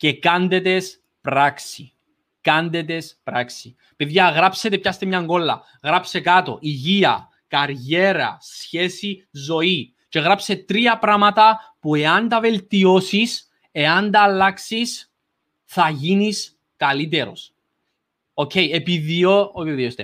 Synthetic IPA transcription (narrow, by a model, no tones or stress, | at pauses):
ce̞kɐnd̪e̞t̪e̞s | pɾaksi | kɐnd̪e̞t̪e̞spɾaksi | epiðjɐɣɾapse̞t̪epçɐst̪emɲɐŋɡo̞lːɐ̰ | ɣɾapse̞kat̪o̞̰ʔiʝiɐ̰ | kɐɾʝe̞ɾɐ̰sçe̞si | zo̞i | ce̞ɣɾapse̞t̪ɾiɐpɾɐmɐt̪ɐpue̞ɐnd̪ɐve̞lt̪io̞sis | e̞ɐnd̪ɐlːaksis | θɐʝinis | kɐlit̪̬e̞ɾo̞s | ocʰejepiðiooiðiost̪e